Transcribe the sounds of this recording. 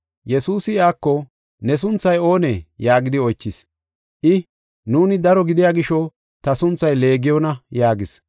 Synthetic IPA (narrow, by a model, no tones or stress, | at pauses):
jɛsuːsɪaːkːɔ | nɛs̬ʊnt͡sːɐjo̞ːnejaːɡɪd̪ɪɔjt͡ʃːɪs | ʔɪ | nuːnɪd̪ɐɾɔɡɪd̪ɪjaːɡɪʃɔ | t̪ɐsʊnt͡sːɐjle̞ːɡɪjɔnɐjaːɡɪs